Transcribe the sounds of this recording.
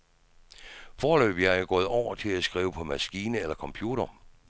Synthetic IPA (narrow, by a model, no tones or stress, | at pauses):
fɒːlø̰ːb̥jɑæɡ̥ɔ̰̽ːð̩ˠɒʊ̰ɐt͡sʰe̝læsɡ̥ʁiːʊəpʰɒ̽mæsɡ̥iːnəelɐkʰɒ̽mpʰjuːɾ̥ɐ